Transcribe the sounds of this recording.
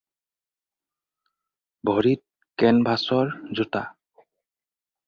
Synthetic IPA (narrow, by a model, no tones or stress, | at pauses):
bʱɔɹit̚ | kɛnbʱasɔɹzuta